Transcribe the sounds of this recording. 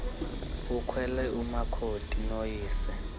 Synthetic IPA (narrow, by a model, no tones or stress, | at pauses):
ukʰwɛlɛumakʰotʼinojiːsɛ